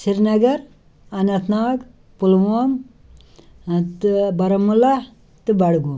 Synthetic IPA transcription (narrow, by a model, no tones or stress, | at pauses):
siɾnɐɡɐɾ | ɐnɐt̪naːɡ | pulʋom | t̪bɐɾɐmːula | t̪ɨbɐɽɡum